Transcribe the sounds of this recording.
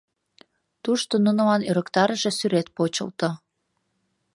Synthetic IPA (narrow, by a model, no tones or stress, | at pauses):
t̪uʃt̪onunolɑnøɾəkt̪ɑɾəʒesyɾet̪̚pot͡ɕə̰lt̪o